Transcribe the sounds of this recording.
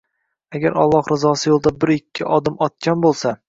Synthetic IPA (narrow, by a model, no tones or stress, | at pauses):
aɡʲaɾɒ̰lˠːɒhɾɪzɒsɪjolˠd̪abɪɾɪkʲʰːɪʔɒd̪ɪmɒt̪̚kʲanbolˠsa